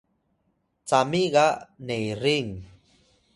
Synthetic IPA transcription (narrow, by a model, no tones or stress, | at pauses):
t͡samiɣanejɾiŋ